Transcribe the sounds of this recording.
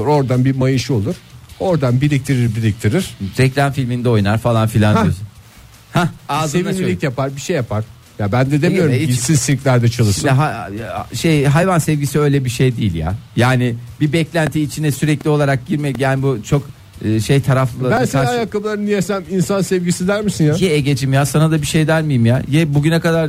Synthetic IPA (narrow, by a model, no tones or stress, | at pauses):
ɾo̞ɾd̪anbimajɯʃolˠuɾ̥o̞ɾd̪anbilʲic̚t̪ʰiɾiɾbilʲic̚t̪ʰiɾiɾ̥ɾɛclʲanfilʲmind̪ɛo̞jnaɾfalˠanfilʲan | haazevianʲlʲicjapaɾbiʃejːapʰaɾ̥ | jabænd̪ɛd̪emioɾisinsiɾcʲlʲæɾd̪ɛt͡ʃʰalˠɯʃɛɦaʃejɦajvansɛvɟisiø̞jlʲɛbiʃejd̪iːilʲja̰jaːnɪbibɛclʲænt̪ʰiːt͡ʃʰinɛsyɾɛclʲio̞lˠaɾak̚ɟiɾmɛɟanbut͡ʃʰo̞k | ɯːʃejt̪ʰaɾaflˠɯlˠabænssanajakʰːablˠaɾɯnijesæminsansɛvɟisid̪æɾmisinjajɛɛɟed͡ʒimjaːsanad̪abiʃejd̪æɾmijimjajɛbuɟynɛkad̪aɾ